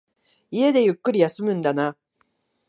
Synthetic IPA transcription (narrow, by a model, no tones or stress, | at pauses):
ie̞d̪e̞jɯ̟kːɯɾʲijasɨmɯ̟̃nd̪ana